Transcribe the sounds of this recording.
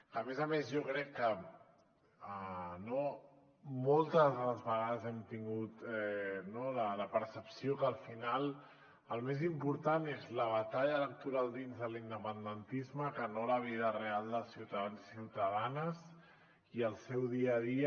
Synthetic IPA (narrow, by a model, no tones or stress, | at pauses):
əmɛzəmezʒɔkɾɛkːə | əno | molˠt̪əzðələzβəɣaðəzɛmt̪iŋɡut̪ɛnolələpəɾsəpsiokəːlˠfinalˠ | əlˠmezimpuɾt̪anezləβət̪aʎələk̚t̪uɾalˠd̪inzðəlind̪əpənd̪ənt̪izməkənoləβ̞iðərealˠd̪əlˠsiwt̪aðansiwt̪əðanəz | iəlˠsɛwðiəði